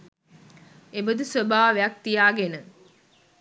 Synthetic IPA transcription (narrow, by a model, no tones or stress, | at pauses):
ebəd̪usəbaːʋejak̚t̪ijaːɡenə